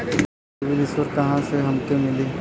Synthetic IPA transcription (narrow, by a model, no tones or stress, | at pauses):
ʋɪlɪswəɾkɐɦãseɦɐmt̪emɪliː